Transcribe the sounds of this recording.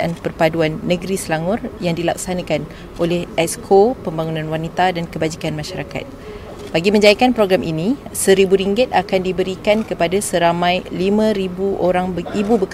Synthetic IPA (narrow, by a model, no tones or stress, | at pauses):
ʔanpərpaduanːə̃ɡɾisəlaŋʊrjaŋdila̰k̚sanãkan | ʔolɛhɛskʰopəmbaŋunãnwanit̪adankəbad͡ʒikanmãʃaɾaka̰t̪̚ | baɡimə̃ɲd͡ʒajakanpɾoɡɾamʔinisəɾibuɾiŋɡɪt̪̚akandibəɾikankəpadasəɾamãjlimãɾibuʔoɾaŋbəibubək